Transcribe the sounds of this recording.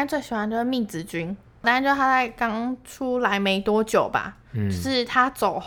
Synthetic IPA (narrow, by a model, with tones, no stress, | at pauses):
nt͡swe˥˩ɪɕi˨˩xwa˧˦nʈ͡ʂo˧˥˩mi˥˩t͡sɹ̩˧˩t͡ɕy˥n | a˥a˧nt͡ɕo˥˧˥a˥t͡sa˥˩ɪkɑ˥ŋʈ͡ʂʰu˥la˧˦ɪme˧˥ɪt̪wɔ˥t͡ɕjo˨˩ʊba̰˨˩ | ʂɻ̩˥˩t̪ʰa˥t͡so˨˩ʊ